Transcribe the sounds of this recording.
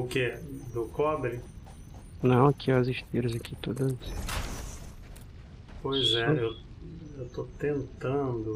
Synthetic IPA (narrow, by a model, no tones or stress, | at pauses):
ʊked̪ʊkɔdɾɪ | nɐ̃w̃akiɐziʃt̪iɾɐzakit̪od̪ɐs | pojzɛew | ewt̪ot̪ẽnt̪ɐ̃d̪ʊ